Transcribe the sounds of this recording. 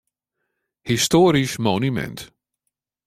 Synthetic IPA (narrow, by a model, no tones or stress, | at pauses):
histoːɾismonymɛ̰nt